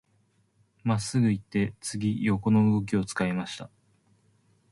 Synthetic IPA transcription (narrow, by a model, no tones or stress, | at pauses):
masːɨɡɯ̟it̪ːe̞t͡sɨɡʲijo̞ko̞no̞ɯɡo̞k̬ʲio̞t͡sɨ̥kaimaɕi̥t̪a